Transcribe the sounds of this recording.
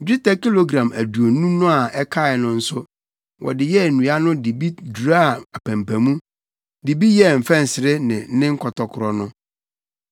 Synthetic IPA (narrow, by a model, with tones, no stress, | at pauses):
d͡ʑᶣi˦tʰa˦ki˦lo˦ɡɾã˨mæ˨du˨o˨˦nũ˦nʊ̃˦a˨ɛ˦kʰa˦˨ɛ˨nʊ̃˦n̩˦sʊ˦ | wʔɔ̰˨dɪ˨jɛ˦˨nũ˨˦a˦nʊ̃˦di˨bi˦du˨ɾa˦˨a˨pʰæ̃˨mpʰæ̃˨mũ˦ | di˨bi˦jɛ˦˨m̩˨fɛ̃˦n̩˨sɪ˨ɾɪ˦nɪ̰̃˨n̩˦nɪ̃˦ŋ̩˦kʰɔ˨tʰɔ˨kʰʊ˨ɾɔ˨nʊ̃˦